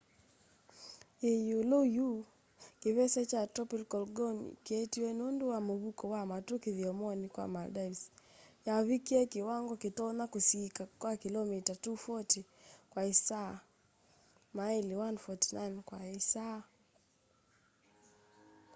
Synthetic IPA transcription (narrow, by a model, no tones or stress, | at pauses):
ejuloju | kiβɛsɛt͡ʃatɔpilkɔlɡɔn̰kiɛtiwɛnunduwamuβukɔwamatukiðiɔmɔnikwa̰maldaisjaβikiɛkiwaŋɡɔkitɔnakusikakwakilɔmitatufɔtikwaisa | maɛliwanfɔtinankwaisa